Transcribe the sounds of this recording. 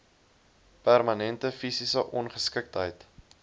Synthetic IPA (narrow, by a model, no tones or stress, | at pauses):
pærmɐnɛntəfisisəʔɔnχəskək̚tɦəjt